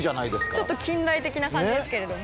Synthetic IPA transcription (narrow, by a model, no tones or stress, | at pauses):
ʑanaid̪esɨ̥kt͡ɕo̞t̪ːo̞kʲĩnd̪ait̪e̞kʲinakãɲid̪esɨ̥ke̞ɾe̞d̪o̞o